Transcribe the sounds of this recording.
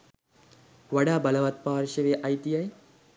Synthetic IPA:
ʋɐɽaːbɐlɐʋɐt̪̚paːɾʂɐʋeʔɐjt̪iɐj

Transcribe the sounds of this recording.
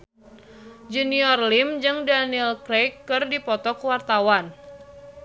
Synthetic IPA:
d͡ʒuniɔrlimd͡ʒɨŋdanilkɾejkːɨrdipɔt̪ɔkwart̪awan

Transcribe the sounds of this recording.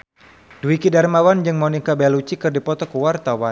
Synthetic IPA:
duikidarmawand͡ʒɨŋmɔnikabɛlut͡ʃikɨrdipɔt̪ɔkuwart̪awa

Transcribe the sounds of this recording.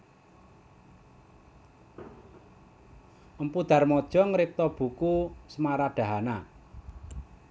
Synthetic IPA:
ʔəmpud̪̥a̤rmɔd̥ʒ̥ɔ̤ŋɾɪk̚t̪ɔb̥ṳkusəmaɾaɖ̥a̤ɦana

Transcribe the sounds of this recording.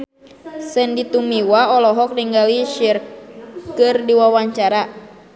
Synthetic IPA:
səndit̪umiwaɔlɔɦɔk̚niŋɡaliʃirkɨrdiwawaɲt͡ʃaɾa

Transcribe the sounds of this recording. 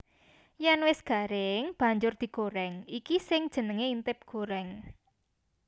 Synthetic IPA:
janwɪsɡ̥a̤ɾɪŋb̥a̤ɲd͡ʒʊrd̪̥i̤ɡ̥oɾɛŋikisɪŋd̥ʒ̥ə̤nəŋeint̪ɪp̚ɡ̥oɾɛŋ

